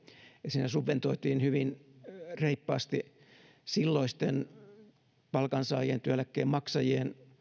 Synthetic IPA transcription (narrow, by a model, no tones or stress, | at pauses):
jɑsiːnæsuʋʋent̪oit̪iːnhyʋinreipːɑːst̪i | silːoist̪en | pɑlkɑnsɑ̰ːjient̪yælækːeːmmɑksɑjien